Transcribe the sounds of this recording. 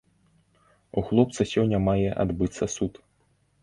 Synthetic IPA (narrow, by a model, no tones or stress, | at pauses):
uxlˠɔp̚t̪sɐsʲɔnʲːɐmajɛʔa̰d̪bɨt̪sːɐsut̪